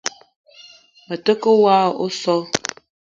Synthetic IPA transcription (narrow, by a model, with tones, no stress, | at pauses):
mə˨tə˦kə˦waː˦˨o˦sɔ˦